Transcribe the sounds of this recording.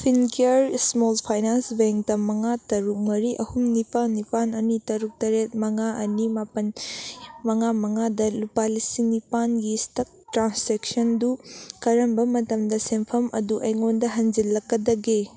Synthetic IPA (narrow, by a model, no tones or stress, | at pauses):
pʰinkeɾsmolpʰajnansbeŋktɐmɐŋatɐɾuk̚mɐɾiʔɐhumnipanːipanɐnitɐɾuk̚tɐɾet̚mɐŋaʔɐnimapɐn | mɐŋamɐŋadɐlupalisinipanɡistɐk̚tɾanseksɐndukɐɾɐmbɐmɐtɐmdɐsempʰɐmʔɐ̰duʔɐjŋondɐɦɐnd͡ʒilːɐkːɐdɐɡe